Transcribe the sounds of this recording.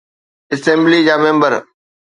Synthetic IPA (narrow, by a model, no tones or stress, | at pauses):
ɪsẽːmblid͡ʑaːmẽːmbəɾ